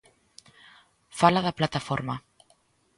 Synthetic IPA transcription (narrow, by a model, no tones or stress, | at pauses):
falaðɐplat̪afɔɾma